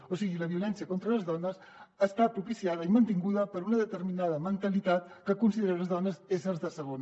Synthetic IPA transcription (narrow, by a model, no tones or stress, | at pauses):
osiɣiləβiulɛnsiəkont̪ɾələzðɔnəs | aːst̪apɾupisiaðəimənt̪iŋɡuðəpəɾunəðət̪əɾminaðəmənt̪əlit̪at̪ | kəkunsiðeɾeləzðɔnəzezəlzðəsəɣ̞on